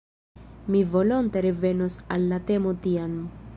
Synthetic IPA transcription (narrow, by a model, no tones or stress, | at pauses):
mivo̞lo̞nte̞ɾe̞ve̞no̞salːate̞mo̞tiam